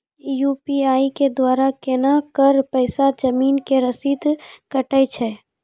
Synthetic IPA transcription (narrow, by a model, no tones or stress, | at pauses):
juːpiaːiked̪waːɾakenakəɾpəɪsad͡ʒəmiːnkeɾəsit̪kəʈəjt͡ʃʰɛː